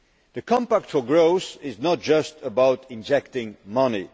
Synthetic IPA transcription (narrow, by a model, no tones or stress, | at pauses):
ðɨkʰɑ̃mpæk̚tfə˞ɡɹoʊsɪznət̚d̥ʒ̥ʌstʰəbaʊtɪ̃nd͡ʒɛk̚tɪ̃ŋmʌnḭ